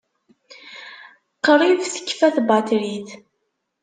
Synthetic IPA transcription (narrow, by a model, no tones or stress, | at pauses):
qːɾˤiðθə̥kːfæθbɑt̪ɾiθ